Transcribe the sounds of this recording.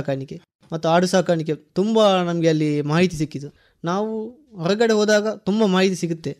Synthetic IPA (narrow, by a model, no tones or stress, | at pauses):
kaːɾɳike | mɐt̪ːuaːɽusaːkaːɾɳik̬et̪umbɐnɐmɐɡeɐlːimaːɦit̪̬is̬ikːid̪u | naːʋu | ɦɔɾɐɡɐɽeɦoːd̪aːɡɐt̪umbɐmaːɦit̪isiɡut̪ːe